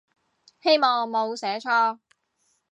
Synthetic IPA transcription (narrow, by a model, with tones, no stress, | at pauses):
he˥jmɔː˨ŋmo˨˧wsɛː˨˥t͡ʃʰɔː˥